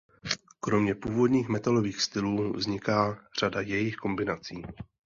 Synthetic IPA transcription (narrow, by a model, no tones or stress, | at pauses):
kɾo̞mɲɛpuːvo̞dɲiːxmɛt̪alo̞viːxst̪ɪluːvzɲɪkaːr̝̥adajɛjɪxko̞mbɪnat͡siː